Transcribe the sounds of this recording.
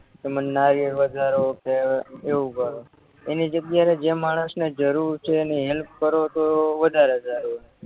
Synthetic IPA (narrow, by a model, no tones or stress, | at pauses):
kemənːaɾijəʋəd̪ʱaɾokeeʋukəɾo | enid͡ʒət̪jaɾed͡ʒemaɽ̃əsned͡ʒəɾuɾt͡ʃʰeneɦɛlp̚kəɾot̪oʋəd̪ʱaɾed͡ʒ̪aɾone